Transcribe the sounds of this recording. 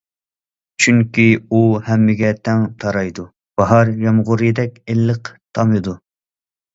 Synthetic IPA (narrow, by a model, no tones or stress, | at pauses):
t͡ʃʰyŋkʲiuhɛmːɪɡʲɛt̪ʰɛŋt̪ʰɑɾɑjd̪u | b̥ɑɦɑɾjɑmʁʊɾɨjd̪ɛkʲelːəqt̪ʰɑmɨd̪u